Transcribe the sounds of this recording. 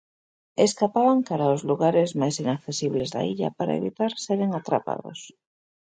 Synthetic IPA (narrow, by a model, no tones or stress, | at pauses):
eskapaβaŋkaɾaozluɣaɾezmajsinakθesiβlezða̰iʎa̰paɾa̰eβḭt̪aɾseɾeŋat̪ɾa̰pa̰ðo̰s